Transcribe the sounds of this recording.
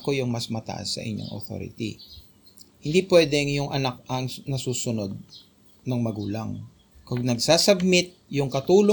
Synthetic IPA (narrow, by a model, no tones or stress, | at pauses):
kojʊŋmɐsmɐt̪ɐ̰ʔa̰sːɐ̰ʔɪ̰ɲo̰ŋʔo̰t̪o̰ːɾɪ̰t̪ḭ | hɪnd̪ipwɛd̪ɛŋjʊŋʔɐnak̚ɐŋnɐsuːsʊno̞d̪̚ | nɐŋmɐɡuːlɐŋ | kʊɡnɐɡsasɐb̚mɪt̪̚jʊŋkɐt̪uːlo